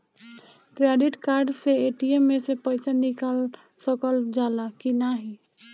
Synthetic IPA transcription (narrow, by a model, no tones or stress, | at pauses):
kɾeɖiʈkaɾɖseeʈiemːesepəjsanikal | səkəld͡ʒalakinaɦi